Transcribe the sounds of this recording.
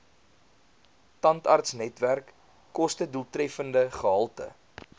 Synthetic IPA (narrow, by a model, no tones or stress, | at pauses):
tɐntɐrtsnɛtværkː | ɔstədulˠtrɛfəndəχəɦɐlˠtə̰